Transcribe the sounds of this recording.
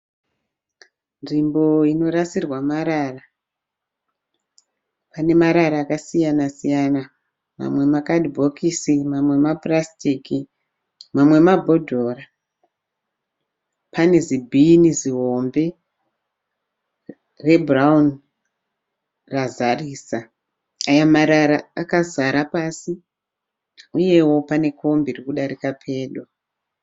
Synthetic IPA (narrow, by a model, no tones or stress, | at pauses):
nd͡ʒimbo̞ino̞ɾasirwamaɾara | pane̞maɾaɾaːkasijanasijana | ma̰mwe̞makadibʱo̞kʰisimamwe̞maprastiki | mamwe̞mabʱo̞dʱoːra | pane̞zibʱiniziɦo̞mbe̞ | re̞braun | razariːsa | ajamaɾaɾaːkazaɾapasi | uje̞wo̞pane̞kʰo̞mbirikuɗaɾikapʰe̞ːɗo̞